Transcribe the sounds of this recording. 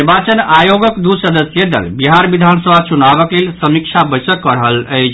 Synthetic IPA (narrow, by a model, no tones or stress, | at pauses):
iɾbat͡ʃənajoɡəkd̪usəd̪əsjəd̪ə̰lbiɦaɾbid̪ʱansəbʱat͡ʃunabəklelsəmik̚t͡ʃʰabəsəkːəɾəɦələɪt͡ʃʰ